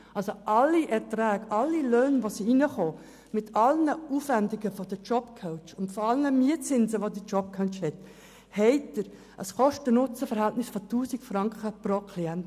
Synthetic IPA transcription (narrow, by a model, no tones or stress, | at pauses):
ʔɑlsoʔɑlːiʔɛɾtɾɛːɡʔɑlːiløːnʋoːsiinəχoː | mɪtʰɑlnəuːfvændɪɡəfɔdəd͡ʒɔb̥kʰɔʊt͡ʃʊntfoɑlnəmiətt͡sɪnzəʋodit͡ʃɔp̚kʰœt͡ʃhɛt | hɛɪtːəɾ | ʔəskɔʃtənʊt͡səfɛɾhæltnɪsfotuːsikfɾɑŋkəprokʰliɛnt